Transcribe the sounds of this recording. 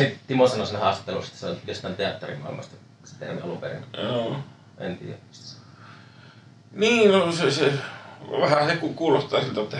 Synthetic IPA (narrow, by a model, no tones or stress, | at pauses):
sit̪t̪imosɑnɑsinhɑːst̪ɑ̥t̪ːelṵst̪ɑ̥seolʲjost̪ɑˑnt̪eɑt̪ːerḭmɑ̰ˑḭlmɑ̰st̪ɑ | se̥t̪ḛrmḭɑlupḛrḭnoː | ḛnt̪ḭːjæ | niːosese | ʋæhææsekukuːlost̪ˑɑːsilt̪æot̪ːɑ